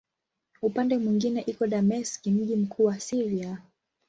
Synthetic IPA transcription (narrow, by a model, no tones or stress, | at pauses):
upandɛmwiŋɡinɛʔikɔɗamɛskim̩ʄim̩kʰuːwasiɾia